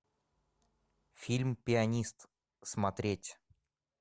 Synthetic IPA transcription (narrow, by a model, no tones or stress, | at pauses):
fʲilʲmpʲɪɐnʲist̪ | smɐt̪ɾʲetʲ